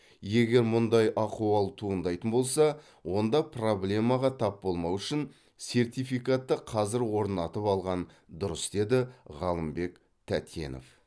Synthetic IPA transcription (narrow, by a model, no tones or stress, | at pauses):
je̞ɡʲe̞ɾmʊnd̪ɑjʔɑquɑlˠt̪ʰuənd̪ɑjt̪ənbo̞lˠsɑ | wo̞nd̪ɑpro̞blʲe̞mɑʁɑt̪ʰɑp̚bo̞lˠmɑwʏʃɪn | se̞rt̪ijfijkat̪ːəqʰɑzɪɾwo̞ɾnɑt̪əpɑlˠʁɑn | d̪ʊɾəsd̪̥e̞d̪ɪʁɑlˠəmbe̞k | t̪ʰæt̪je̞̰no̞̰f